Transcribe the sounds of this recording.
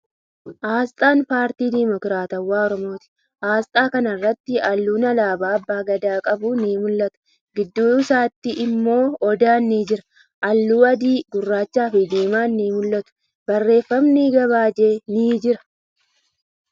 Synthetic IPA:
ʔaːst̪ʼaːnpaːɾt̪iːd̪imɔkɾaːt̪ɐwːaːɔɾɔmo̞ːt̪ɪ̥ | ʔaːst̪ʼaːkɐnɐrːɐt̪ːɪɐlːuːnɐlaːbaːɐbːaːɡɐd̪aːkʼɐbuːniːmʊlːɐt̪ʊ̥ | ɡɪd̪ːuːsaːt̪ːɪʔɪmːo̞ːɔd̪aːnːiːd͡ʒɪɾɐ̥ | ʔɐlːuːɐd̪iːɡʊrːaːt͡ʃːaːfɪd̪eːmaːnːiːmʊlːɐt̪ʊ̥ | bɐrːe̞ːfːɐmniːɡɐβaːd͡ʒeːniːd͡ʒɪɾɐ̥

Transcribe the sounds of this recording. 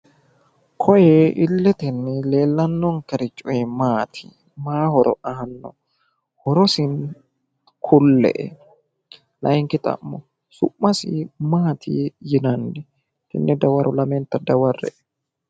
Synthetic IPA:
kʰɔjɛʔɪlːɛt̪ɛnːɪle̞ːlːɐnːɔŋkɛɾɪt͡ʃʼːɔjɛmaːt̪ʰi̥ | maːhɔɾɔ̰ʔɐhɐnːɔ̰ | hɔɾɔsɪn | kʰʊlːɛ̰ʔɛ̰ | lɐjŋkɪt̪ʼɐ̰mːɔ | sʊʔmːɐsɪmaːt̪ʰḭjɪnɐndɛ | t̪ɪ̰nːɛd̪ɐwɐɾɔlɐmɛnt̪ɐd̪ɐwɐrːɛ̰ʔɛ

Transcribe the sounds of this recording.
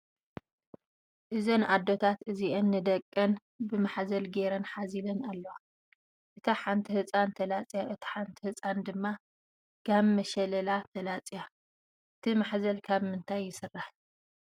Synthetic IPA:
ʔɨzonʔad̪ːo̞t̪ʰat̪ɨziʔɐnːɨd̪ɐkʼːɐn | bɨmaħzɐlɡeɾɐnħazilɐnalːɐwa | ʔɨt̪ʰaħant̪ʰihɨt͡sʼant̪ʰɐlat͡sʼijaʔɨt̪ʰi̥ħant̪ʰihɨt͡sʼand̪ɨmːa | ɡ̥ammɐʃɐlɐlat̪ʰɐlat͡sʼija | ʔɨt̪ʰimaħzɐlkʰaβmɨnt̪ʰajːɪsɨrːaħ

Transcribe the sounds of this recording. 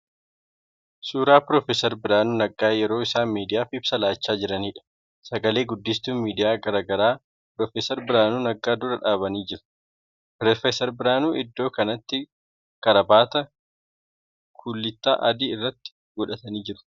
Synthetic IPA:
suːɾaːpɾofesɛɾbɪɾaːnuːnɐɡʼaːjɛɾo̞ːɪsaːnmiːd̪ɪjaːfɪbsɐlaːt͡ʃːaːd͡ʒɪɾɐniːᶑɐ̥ | sɐɡɐle̞ːɡʊd̪ːɪs̬t̪uːnmiːd̪ɪjaːɡɐɾaːɡɐɾaː | pɾoːfeːsɛɾbɪɾaːnuːnɐɡaːd̪ʊɾɐᶑaːβɐniːd͡ʒɪɾʊ̥ | pɾɔfesɛɾbɪɾaːnuːʔɪd̪ːo̞ːkɐnɐt̪ːɪ | kɐɾɐbaːt̪ɐ | kʰʊlːɪt̪ːa̰ːʔɐd̪iːɪrːɐt̪ːɪ̥ | ɡʊᶑɐt̪ɐniːd͡ʒɪɾʊ̥

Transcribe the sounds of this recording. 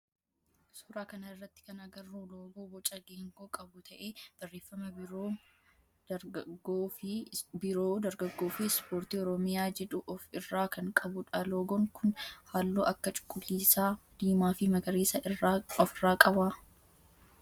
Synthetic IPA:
sʊːɾaːkɐnɐɪrːɐt̪ːɪ̥kɐnɐɡɐrːuːloːɡoːbɔt͡ʃʼɐɡeːŋɡoːkʼɐbʊt̪ʰɐʔeːb̥ɐrːeːfːɐmɐo | ɡoɪbɪɾoːd̪ɐɾɡɐɡːoːfɪspoːɾt̪iːɔɾɔmɪjaːd͡ʒɛᶑʊʔɔfɪrːaːkʰɐŋkʼɐbʊᶑɐloːɡɔŋkʰʊnhaːlːoːʔɐkːɐt͡ʃʼʊ̥kʼːʊlːiːsaːd̪̥iːmaːfɪmɐɡɐɾeːsɐɪɔfɪrːaːkʼɐbaː

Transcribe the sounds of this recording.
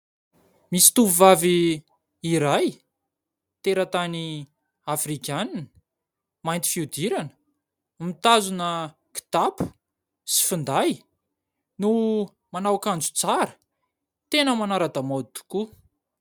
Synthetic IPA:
misi̥t̪uvuvaviː | ɾaj | t̪eɾət̪ani | afrikʲanini̥ | majnt̪i̥fiud̪iɾanə̥ | mit̪azunə | ki̥t̪apu̥ | si̥fund̪aj | nu | manawkand͡zut͡saɾə̥ | t̪enəmanaɾad̪amod̪u̥ku

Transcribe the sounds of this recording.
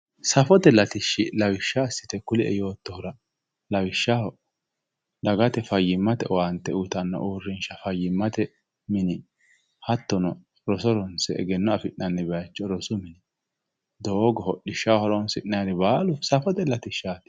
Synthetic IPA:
sɐfɔt̪ɛlɐt̪ɪʃːɪlɐwɪʃːasːɪ̥t̪ɛkʊlɪɛ̰jo̞ːt̪ːɔhʊɾɐ | lɐwɪʃːahɔ | d̪ɐɡɐt̪ɛfɐjːɪmːɐt̪ɛʔɔwɐnt̪ːɛut̪ɐnːɐ̰ʔuːrːɪnʃɐfɐjːɪmːɐt̪ɛ | mɪnɪ | hɐt̪ːɔnɔ | ɾɔsɔɾɔnsɛɛ̰ɡɛnːɔɐfɪʔnɐnːɪbɐjɐt͡ʃːɔɾɔsʊmɪnɪ | d̪oɡɔhɔɗɪʃːawhɔɾɔnsɪʔnɐjd̪ɪbaːlʊsɐfɔt̪ɛlɐt̪ɪʃːaːt̪

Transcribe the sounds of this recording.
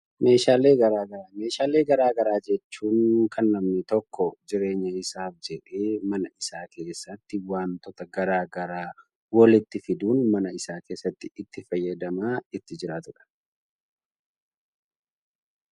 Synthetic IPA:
me̞ːʃaːle̞ːɡɐɾaːɡɐɾaːme̞ːʃaːle̞ːɡɐɾaːɡɐɾaːd͡ʒɛt͡ʃːuːŋkɐnːɐmnɪt̪ɔkːɔd͡ʒɪɾe̞ːɲːɐɪsaːfd͡ʒɛᶑeːmɐnɐɪsaːke̞ːsːɐt̪ːɪwaːnt̪ɔt̪ɐɡɐɾaːɡɐɾaː | wɐlɪt̪ːɪfɪd̪uːnmɐnɐɪsaːke̞ːsːɐt̪ːɪɪt̪ːɪfɐjːɐd̪ɐmaːɪt̪ːɪd͡ʒɪɾaːt̪ʊᶑɐ̥

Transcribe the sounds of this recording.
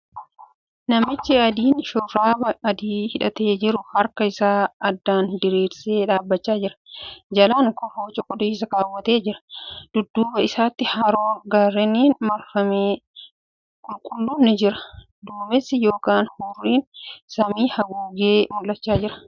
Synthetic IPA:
nɐmɪt͡ʃːɪɐd̪iːnʃʊɾːaːbɐɐd̪iːhɪᶑɐt̪e̞ːd͡ʒɪɾʊhɐɾkɐɪsaːɐd̪ːaːnd̪ɪɾiːɾseːᶑaːbːɐt͡ʃːaːd͡ʒɪɾɐ̥d͡ʒɐlaːŋkɔfoːt͡ʃʼɔkʼɔd̪ʊsɐkaːwːɐt̪e̞ːd͡ʒɪɾɐ̥d̪̥ʊd̪ːuːbɐɪsaːt̪ːɪhɐɾoːɡaːrːɛniːnmɐɾfɐmeː | kʼʊlkʼʊlːʊnːɛd͡ʒɪɾɐ̥ | d̪uːmɛsɪjo̞ːkaːnhʊrːiːnsɐmiːhɐɡuːɡeːmʊlːɐt͡ʃːaːd͡ʒɪɾɐ̥

